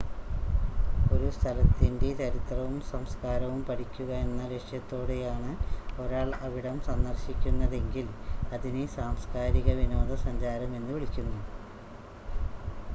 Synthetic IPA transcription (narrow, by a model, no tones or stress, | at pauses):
o̞ɾust̪ʰɐlɐt̪ːinde̞t͡ɕɐɾit̪rɐʋumsɐmskaːɾɐʋumpɐʈʰikʲːuɣɐe̞nːɐɾeʂjɐt̪ːo̞ːɽe̞jaːɳɨo̞ɾaːɭɐʋiɽɐmsɐnd̪ɐrɕikʲːunːɐðe̞ŋɡilɐðinesaːmskaːɾiɣɐʋino̞ːðɐsɐɲd͡ʑaːɾɐme̞nːuʋiɭikʲːunːu